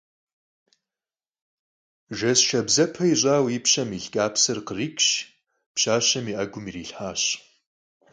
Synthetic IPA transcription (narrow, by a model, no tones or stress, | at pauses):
ʒɐsʃɐbzɐpʰɐiɕʼaːwipɕɐmiɬkʼaːpsɨrqəriːkʼɕ | pɕaːɕɐmiːʔɐɡʷʊmiːriːɬħaːɕ